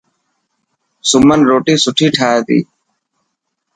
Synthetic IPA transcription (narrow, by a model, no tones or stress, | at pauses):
sʊmənɾoːʈiːsʊʈʰiːʈʰaːeːt̪ḭː